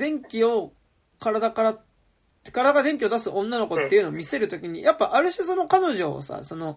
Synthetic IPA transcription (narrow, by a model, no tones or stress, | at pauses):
d̪ẽ̞ŋkʲio̞ | kaɾad̪akaɾa | kaɾad̪aɡad̪ẽ̞ŋk̬ʲio̞d̪asɨʔõ̞nːano̞ko̞t̪ːe̞iɯ̟noːmʲise̞ɾɯ̟t̪o̞kʲiɲ̟ḭjapːaʔaɾɯ̟ɕiso̞no̞kano̞ʑo̞̰sa̰so̞no̞